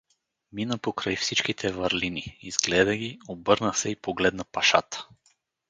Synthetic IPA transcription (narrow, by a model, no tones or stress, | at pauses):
minəpokɾajfsit͡ʃkit̪ʰɛvəɾliniiz̥ɡlɛd̪əɡʲiobɤɾnəsɛipoɡlɛd̪nəpaʃat̪ə̥